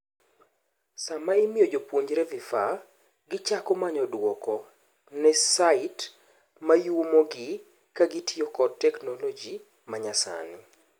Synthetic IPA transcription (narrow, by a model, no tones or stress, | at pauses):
samaimɪjɔd͡ʒopwoɲd͡ʒɾɛvifa | ɡɪt͡ʃakɔmaɲɔdwɔkɔ | nɛsaɪt | majuomoɡɪ | kaɡitʰiokɔdtɛknolɔd͡ʒi | maɲasa̰nɪ